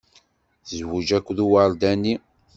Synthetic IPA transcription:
zwud͡ʒækʷːðuwaɾd̪ænːi

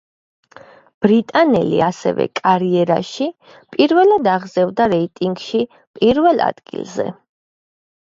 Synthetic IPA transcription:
b̥ɾit̪ʼanɛ̰lḭasɛ̰vɛ̰kʼaɾiɛɾa̰ʃi | pʼiɾvɛlad̪aʁzɛvd̪aɾɛit̪ʼiŋɡʃi | pʼiɾvɛlˠa̰d̪̥ɡḭlˠzɛ̰

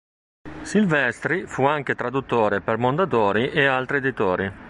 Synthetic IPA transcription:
silvɛst̪ɾifuaŋk̟et̪ɾad̪ut̪ːoːɾepermond̪at̪oːɾiʔealt̪ɾied̪it̪oːɾi

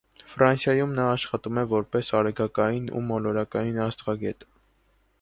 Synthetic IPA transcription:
fɾɑnsjɑjumnɑːʃχɑt̪umɛvɔɾpɛsɑɾɛɡɑkɑjinṵmɔlɔɾɑkɑjinɑst̪ʁɑɡɛt̪

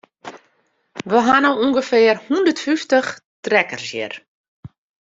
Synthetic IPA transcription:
ʋəɦanowuŋɡəfɪərhundərtfyftəxtrɛkərsjɪ̰r

